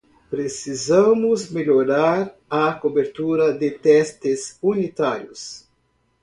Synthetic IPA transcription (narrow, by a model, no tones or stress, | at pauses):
pɾesizɐ̃mʊzmeʎoɾaɾɐkobeɾt̪uɾɐd̪ɪt̪ɛst̪ɪzunit̪aɾjʊs